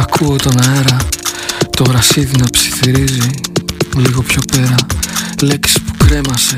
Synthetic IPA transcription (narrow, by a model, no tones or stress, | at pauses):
ɐkʰuot̪onɐeɾɐ | t̪o̞ɣɾɐsiðinɐpsi̥θiɾiziliɣo̞pço̞pe̞ɾɐle̞ksi̥spu̥kɾe̞mɐse̞